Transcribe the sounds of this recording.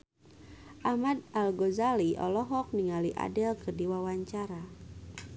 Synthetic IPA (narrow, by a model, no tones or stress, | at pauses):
ʔahmad̚alɡɔzaliʔɔ̰lɔɦɔk̚niŋaliʔa̰dɛlkərdiwawaɲt͡ʃaɾa